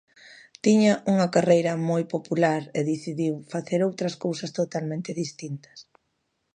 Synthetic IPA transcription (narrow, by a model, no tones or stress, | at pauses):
t̪iɲɐʔuŋɐkarejɾɐmojpopulaɾeðiθiðiwfaθeɾowt̪ɾɐskowsɐst̪ot̪almẽnt̪ɪðist̪int̪ɐ̥s